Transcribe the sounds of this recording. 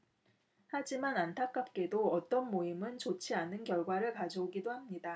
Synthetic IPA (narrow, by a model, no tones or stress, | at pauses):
had͡ʑimanantʰak͈ap̚k͈e̞doʌt͈ʌnmoimɯnt͡ɕot͡ɕʰianɯnkjʌɭɡwaɾɯɭkad͡ʑʌuɡidohamɲida